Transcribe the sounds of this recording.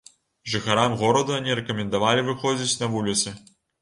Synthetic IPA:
ʐɨxaɾamɣɔɾɐd̪uanʲiɾɛkɐmʲɛnd̪avalʲivɨxɔd͡zʲit͡sʲnɐvulʲit̪sɨ

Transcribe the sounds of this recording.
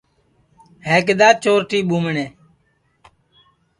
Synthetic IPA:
heːk̬d̪aːt͡ʃoːɾʈiːɓuːməɳeː

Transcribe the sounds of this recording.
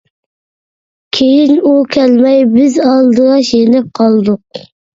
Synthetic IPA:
kʲʰejinukʲʰælmɛjbɪzɑlˠd̪əʁɑʃjenɪp̚qʰɑlˠd̪ʊq̚

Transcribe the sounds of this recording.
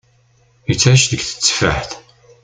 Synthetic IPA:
jət͡sːæʃðəɡθə̥t͡sːfə̰ħθ

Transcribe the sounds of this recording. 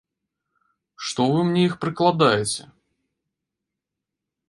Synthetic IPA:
ʂt̪ɔvɨmnʲɛixpɾɨklˠad̪ajɛt͡sʲɛ̰

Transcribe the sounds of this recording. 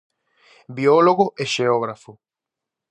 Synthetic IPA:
bioloɣoʔeʃeoɣɾafʊ

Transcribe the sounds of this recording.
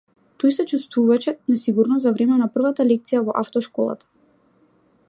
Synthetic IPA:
t̪ojsɛt͡ʃust̪vuvat͡ʃɛnasiɡuɾnɔavɾɛmɛnapr̩vat̪alɛkt̪sijavɔʔaft̪ɔʃkɔlˠa̰t̪ḁ

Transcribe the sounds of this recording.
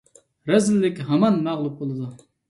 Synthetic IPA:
ɾɛzɪlːɪkʲɦɑmɑnmæʁlˠup̚bolˠɨd̪u

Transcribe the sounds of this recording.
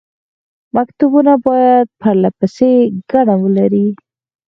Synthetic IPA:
makt̪ubunabɔjad̪̚pʰaɾlapəseɡaɽ̃awulaɾi

